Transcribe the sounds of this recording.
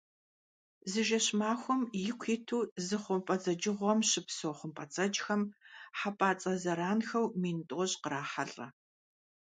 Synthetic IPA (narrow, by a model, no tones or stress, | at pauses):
zɨʒɐɕmaːxʷʊmjɪkʷʰiːtʰuːzɨχʷʊmpʼɐd͡zɐd͡ʒɪʁʷɔmɕɪpsoːχʷʊmpʼɐt͡sʼɐt͡ʃʼxɐmħapʼaːt͡sʼɐzɐɾaːnxɐwmiːntʼːɕʼqəɾaːħɐɬʼɐ̰